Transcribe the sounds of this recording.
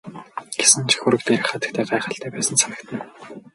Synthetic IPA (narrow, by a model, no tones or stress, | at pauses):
ɡ̥e̥sɘ̆nt͡ɕʰi̥xuɾɘ̆kt̪eːɾɘ̆χat̪ə̆k̚t̪ʰæːɢaːχə̆ɬt̪ʰæːpæːsə̆nt͡sʰanə̆kt̪ə̆n